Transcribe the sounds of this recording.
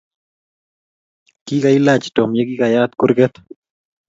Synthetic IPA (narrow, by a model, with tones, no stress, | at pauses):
ki˦ka˨i˦lat͡ʃto˨mje˦kikajat̪kʊ˦ɾɡɛt̪